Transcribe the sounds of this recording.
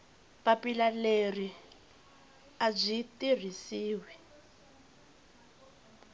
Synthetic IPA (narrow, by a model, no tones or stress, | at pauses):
papilaleri | ab͡ʐʷitir̤isiːwɛ